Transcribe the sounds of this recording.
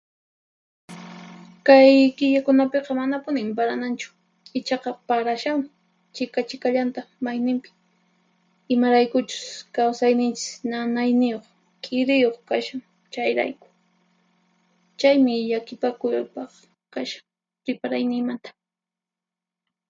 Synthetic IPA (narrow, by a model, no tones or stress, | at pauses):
kajkɪʎakʊnapeqɑmanapʊnɪmpaɾanant͡ʃʊ̥ | ɪt͡ʃɑqɑpaɾaʃam | t͡ʃɪkat͡ʃɪkaʎant̪amajnɪmpɪ̥ | ɪmaɾajkʊt͡ʃʊ̥skawsajnɪnt͡ʃɪ̥snanajnɪjoχ | kʼɪɾɪjoχkaʃaŋ | t͡ʃajɾa̰jkʊ̥ | t͡ʃajmɪʎakɪpakʊjpɑχ | kaʃḁŋ | ɾɪpaɾajnɪŋmant̪ḁ